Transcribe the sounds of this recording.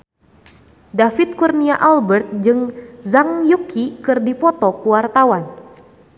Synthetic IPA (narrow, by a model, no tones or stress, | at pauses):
dafit̪̚kurniaʔalbɛrt̪̚d͡ʒɨŋzaŋjukikɨrdipɔt̪ɔkuwart̪awan